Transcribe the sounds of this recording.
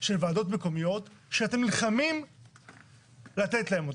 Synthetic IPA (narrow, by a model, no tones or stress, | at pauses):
ʃelvaːdo̞t̪me̞ko̞mijo̞t̪ʃeate̞mnilχamim | lat̪et̪lae̞mo